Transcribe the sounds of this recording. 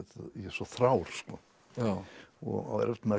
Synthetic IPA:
t̪jɛsɔθɾaːwɾ̥skɔ | aɔ̰ɣa̰wɛ̰ɾɛft̪mað

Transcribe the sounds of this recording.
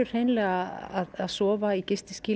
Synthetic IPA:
ʏ̥r̥ejnlɛːɣaaðaðsɔːvaicɪst̪ɪsciː

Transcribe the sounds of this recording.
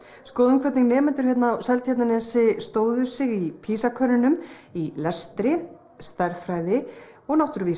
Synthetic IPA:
skɔːðʏmkʰvɛt̪niŋnɛːmɛnt̪ʏɾ̥çɛt̪nawsɛlt̪jɛt̪nanɛnsɪst̪oːwðʏsɪɣipʰiːsakʰœnɪnʏmilɛst̪ɾɪ | st̪aɾfɾaːjðɪ | ɔɣnawht̪ʏɾviː

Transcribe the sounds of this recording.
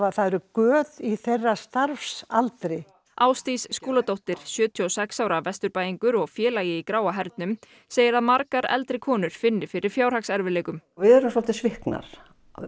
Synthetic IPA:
aθaðɛɾʏkœːðiθerːast̪aɾfsalt̪ɾɪ | aːwst̪isːkuːlat̪owht̪ɪɾ̥sjœːt̪ʰiɔsɛksawɾavɛst̪ʏɾpaːjiŋkʏɾɔɣfjɛːlajɪikɾaːwaɦɛɾt̪nʏm | seːjɪɾaðmaɾkaɾɛ̰lt̪ɾɪkʰɔːnʏɾ̥fɪnːɪɾfɪɾɪɾ̥fjaːwr̥aksɛɾvɪlɛːkʏmvɪðɛɾʏmsɔl̥t̪ɪsvɪhkna̰ɾ̥̰

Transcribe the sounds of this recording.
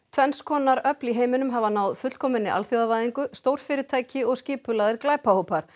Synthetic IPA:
t̪ʰvɛnskʰɔːnaɾœpliɦeːjmɪnʏmɦavanaːwðfʏt̪l̥kʰɔːmɪnːɪʔa̰lθjowavaːjðiŋkʏst̪owɾ̥fɪːɾɪt̪ʰaːjcɪɔɣscɪːpʏlaðɪɾklaːjpahowpaɾ̥

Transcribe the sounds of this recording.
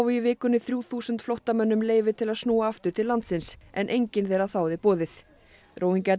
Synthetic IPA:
wvʏivɪːkʏnːɪθɾjuːθuːsʏnt̪flɔwht̪amœnːʏmleːjvɪt̪ʰɪlaðsnuːaaft̪ʏɾ̥t̪ʰɪlːant̪sɪnsɛ̰nʔejɲcɪnθejɾaθaːwðɪpɔːðɪθ | ɾʔoːwhiɲca

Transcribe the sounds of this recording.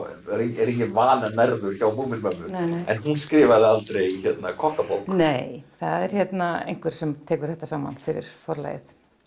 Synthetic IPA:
ɛɾiɛɾihcɪvaːnanɛɾðʏɾ̥çawmuːmɪnmœmːʏɛ̰nɦunskɾɪːvaðɪalt̪ɾejiçjɛt̪nakʰɔhk̪apo̰wlkneːjθaðɛɾ̥hjɛt̪naḛjŋ̥kvɛɾ̥sɛmt̪ʰɛːkʏ̥ɾ̥θɛht̪asaːma̰nfɪɾɪ̰ɾ̥fɔɾla̰ːjɪ̰θ

